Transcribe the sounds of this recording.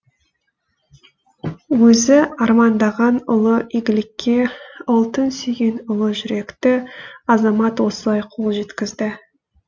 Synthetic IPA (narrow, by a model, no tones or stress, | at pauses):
wɵzɪɑɾmɑnd̪ɑʁɑnʊlˠəiɡʲɪlɪkʲʰːe̞ʊlˠt̪ənsiɡʲe̞nʊlˠəʒʏɾe̞kt̪ɪɑzɑmɑt̪wo̞səlˠɑjqʰo̞lˠʒe̞t̪kʲɪzd̪ɪ